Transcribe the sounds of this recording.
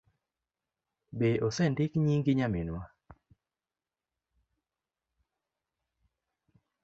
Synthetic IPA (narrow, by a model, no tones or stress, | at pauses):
beʔosɛndɪkɲiŋɡɪɲamɪnwa